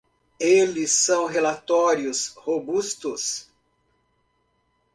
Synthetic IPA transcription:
elɪsːɐ̃w̃ɦelat̪ɔɾiʊshobust̪ʊs

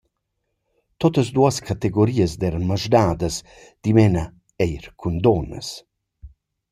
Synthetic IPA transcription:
t̪ɔt̪əzd̪uaskat̪eɡoɾiəzd̪erməʒdaːd̪əs | d̪̥imɛna | ɛjɾkʰund̪ɔnə̰s

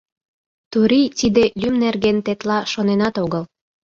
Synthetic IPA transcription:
t̪uɾit̪id̪elʲymnerɣent̪et̪lɑʃonenɑt̪oɣəl

